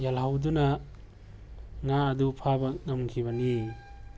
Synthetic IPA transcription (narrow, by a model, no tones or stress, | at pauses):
jalɦawdunɐ | ŋaɐdupʰabɐŋɐmkʰiβɐni